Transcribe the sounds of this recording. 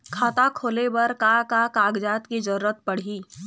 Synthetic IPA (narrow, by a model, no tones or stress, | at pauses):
kʰaːt̪akʰoːlebɐɾkakakaːɡd͡ʒaːt̪kid͡ʒɐɾuɾət̪pɐɽ̤iː